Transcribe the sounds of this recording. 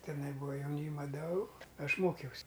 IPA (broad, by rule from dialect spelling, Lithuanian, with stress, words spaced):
tʲɪˈnɐɪ ˈbuːɐ jɛʊˈnʲiːmɐ ˈdɐʊ ˈɐʃ ˈmoːkʲɛʊsʲ